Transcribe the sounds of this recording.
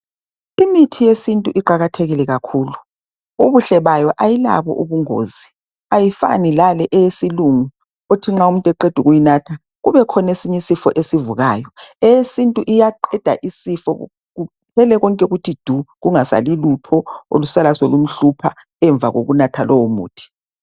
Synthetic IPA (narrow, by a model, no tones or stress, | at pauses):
imitʰijesintʼuʔiǃaɣatʰeɣilɛɣakʰuːlu | uβuɬɛβajɔʔajila̰βɔ̰ʔuβuŋo̰ːzi | ajifa̰nilalɛʔɛjesiluŋu | otʰiŋ͡ǁaumuntʼɛǃed̥ʱuɣujinaːtʰa | ɣuβɛkʰɔnesiɲisifɔʔesivuɣaːjɔɛjesintʼuʔijaǃɛd̥ʱa̰ʔisifɔ̰ | ɣu | pʰɛlɛɣɔŋkʼɛɣutʰid̥ʱuɣuŋasa̰lilupʰɔo̰lusalasolum̩ɬupʰa | ɛɱb̪vʱa̰ɣo̰ɣunatʰalɔwomṵːtʰi̥